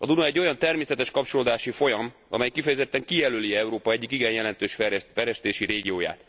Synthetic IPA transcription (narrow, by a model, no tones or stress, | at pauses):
ɒd̪unɒɛɟːo̞jɒnt̪ɛrmeːsɛt̪ɛʃkɒp̚t͡ʃo̞loːd̪aːʃifo̞jɒm | ɒ̰mɛjkifɛjɛzɛt̪ːɛŋkijɛløːliɛuɾoːpɒɛɟːikiɡɛjjɛlɛnt̪øːʃfɛɾɛfɛɾɛʃt̪eːʃiɾeːɡijoːja̰ːt̪